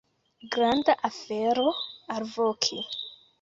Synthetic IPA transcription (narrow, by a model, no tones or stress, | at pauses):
ɡɾandaʔafeɾoaɾvokʰi